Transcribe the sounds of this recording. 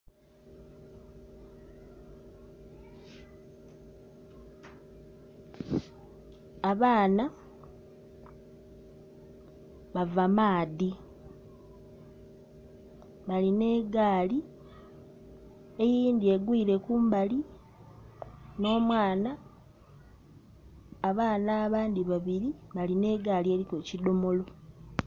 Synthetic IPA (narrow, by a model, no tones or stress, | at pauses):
aβaːna | βavamaːði | βaline̞ːɡaːli | e̞jiːnd̪ie̞ɡwiːɾe̞kuːmbali | no̞ːmwaːna | βaːnaːβaːnd̪iβaβiɾiβaline̞ːɡaːlie̞ɾikecido̞mo̞lo̞